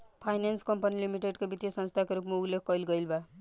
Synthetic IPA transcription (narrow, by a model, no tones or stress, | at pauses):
pʰajnanskʌmpʌnilimiʈeɖkobit̪jsʌnst̪ʰakoɾupmauɡlekʰkʌjlɡʌjlba